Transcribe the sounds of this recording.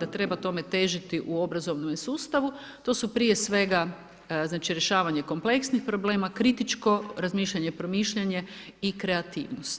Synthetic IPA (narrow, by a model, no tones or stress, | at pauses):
d̪at̪ɾe̞bat̪o̞me̞t̪e̞ʒit̪iʔuo̞bɾazo̞ʋnomesuːst̪aʋu | t̪o̞supɾije̞sʋe̞ɡa | znaːt͡ʃiɾjeʃaːʋaɲe̞ko̞mple̞ksnixpɾo̞ble̞ːmakɾit̪it͡ʃko̞ɾazmiːʃʎeɲepɾo̞miːʃʎeɲe̞ | ikɾeat̪ḭːʋnost̪